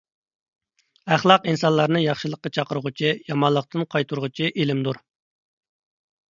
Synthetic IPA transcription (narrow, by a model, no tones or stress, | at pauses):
æχlˠɑqinsɑnlˠɑɾnɨjɑχʃɨlˠəqːɑt͡ʃʰɑqəɾəʁʊt͡ʃʰijɑmɑlˠːəq̚t̪ɨnqʰɑjt̪ʰuɾʁut͡ʃʰiʔelɪmd̪uɾ